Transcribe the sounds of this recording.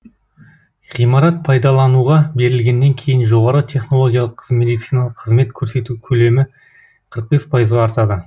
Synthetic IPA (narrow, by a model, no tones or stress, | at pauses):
ʁijmɑɾɑt̪̚pʰɑjd̪ɑlˠɑnuʁɑbe̞ɾɪlɡʲe̞nːe̞ŋkʲʰe̞jɪnʒo̞ʁɑɾət̪ʲʰe̞χno̞lˠo̞ɡʲijalˠəqʰːəzme̞d̪ijt̪sijnalˠəqʰːəzme̞t̪̚kʲʰɵɾse̞t̪ukʲʰɵle̞mɪ | qʰəɾəq̚be̞spʰɑjəzʁɑːɾt̪ɑd̪ə